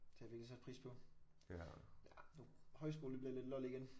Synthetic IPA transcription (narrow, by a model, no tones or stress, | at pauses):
t͡sʰeʋieɡ̥lisæd̥pʰʁḭːspʰɒ̽ | jænohɒ̽ɪsɡ̥o̝ːlnb̥liɐle̝d̥lɒliɡ̥en